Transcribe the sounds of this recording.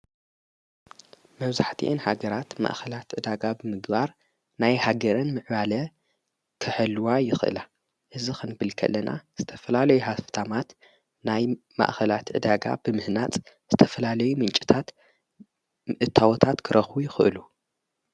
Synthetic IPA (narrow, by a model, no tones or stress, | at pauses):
mɐβzaħt̪ʰḭʔɨnhaɡɐɾat̪ma̰ʔxɐlat̪ʕɨd̪aɡabɨmɨɡbaɾ | najhaɡɐɾɐnmɨʕbalɐ | kʰɨħɨlːuwajɪxɨʔɨ̰la | ʔɨzixɨnbɨlkʰɐ̰lːɐnʔa̰z̥ɨt̪ʰɐfɐlalɐjuhaft̪ʰamat̪ | naj | ma̰ʔxɐlat̪ʔɨ̰d̪aɡa̰b̥ɨmɨhnat͡sʼ | z̥ɨt̪ʰɐfɐlalɐjumɨnt͡ʃʼi̥t̪ʰat̪ | ʔɨt̪ʰːawɔt̪ʰat̪kʰɨɾʔɐxbujɪxɨʔɨ̰lu